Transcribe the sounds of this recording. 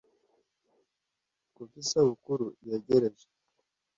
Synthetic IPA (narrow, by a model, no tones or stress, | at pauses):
kufisaβukuɾujeɟeɾeʒe̥